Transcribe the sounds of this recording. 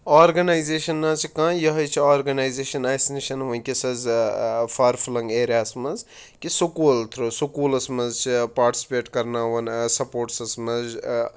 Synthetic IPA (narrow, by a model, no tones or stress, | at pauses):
aːɾɡɐnaːjzeːʃɐnːãːt͡ʃʰikãːjɐɦɐjt͡ʃʰiaːɾɡɐnaːjzeːʃɐnaːjsniʃɐnʋɐnkʲisɐzfaːɾfulɐŋɡeːɾjaːsmɐz | kisukuːlt̪ʰɾosukuːlɐsmɐzt͡ʃʰipaːɾʈi̥si̥peːʈkɐɾnaːʋɐnsɐpoːʈsɐsmɐz